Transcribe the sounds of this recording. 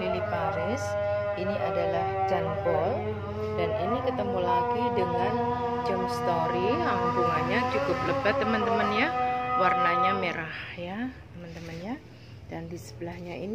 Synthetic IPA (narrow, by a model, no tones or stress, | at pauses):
ilipaɾɛs | iniʔa̰dalahd͡ʒanbɔl | daninikət̪əmulaɡidəŋan | d͡ʒəmst̪oɾiɦambuŋanɲat͡ʃukʊp̚ləpat̪ːəmənt̪əmənjawarnaɲameɾahjat̪əmant̪əmənja | dandisə̥bəlahɲaḭni